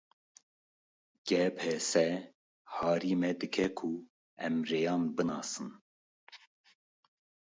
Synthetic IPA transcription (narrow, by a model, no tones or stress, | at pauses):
ɡ̥ɛpʰɛsɛ | hɑːɾiːmɛd̪ɨkʰɛkʰu | ɛmreːjɑːnbɨnɑːsɨn